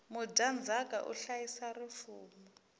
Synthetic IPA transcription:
mʊɟʱand͡zʱakʼaʔṵɬajisarifuːmɔ

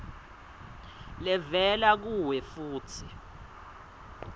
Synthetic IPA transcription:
lɛvɛlak̬uwɛfuːtʰi

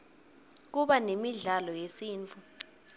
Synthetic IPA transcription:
k̬uɓanemiɮalɔjesiːnt͡fʰu

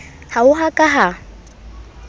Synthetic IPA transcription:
haʊɦakʼaɦa

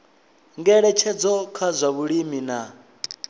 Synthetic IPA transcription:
ŋɡɛɺɛt͡ʃʰɛd͡zɔkʰazʷaβuɺimina

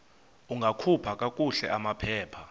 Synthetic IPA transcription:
uŋɡʱakʰupʰak̬ʼak̬ʼuɬɛ̰ʔamapʰɛːpʰa

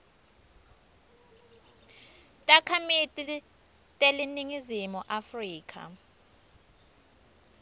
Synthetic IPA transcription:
tʼakʰamitʼi | tʼeliniŋizimuʔafriːkʰa̰

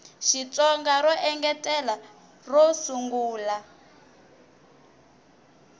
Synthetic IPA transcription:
ʃit͡sʼɔŋɡaɾɔʔɛŋɡɛtʼɛla | rɔsuŋɡuːla

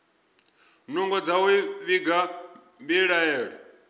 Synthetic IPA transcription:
nuŋɡɔd͡zawuiβiɡa | mbiɺaɛːɺɔ

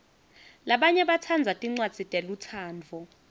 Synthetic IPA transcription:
laɓaɲɛɓatʰand͡zʱatʼiŋ͡ǀwad̥d͡z̥ʱitʼelutʰaːnd͡vʱɔ

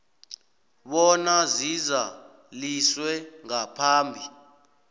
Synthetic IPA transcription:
ɓɔnaziza | liswɛŋapʰaːmbʱi

